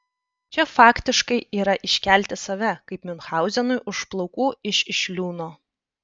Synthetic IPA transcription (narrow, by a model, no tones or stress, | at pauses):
t͡ʃʲɛfɑːkt̪ʲɪʃkɐɪiːɾɐʔɪʃʲkʲæˑlʲt̪ʲɪsɐʋʲɛkɐɪpmʲɪnxɑˑʊzʲɛnʊɪʊʃplˠɐʊkuːɪʃʲɪʃʲlʲuːnoː